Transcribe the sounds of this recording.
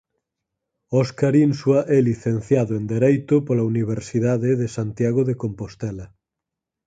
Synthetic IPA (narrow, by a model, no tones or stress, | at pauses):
ɔskaɾinswaʔɛliθen̟θjaðoend̪eɾejt̪opolauniβ̞eɾsiðaðeðesant̪jaɣ̞oðekompost̪ɛla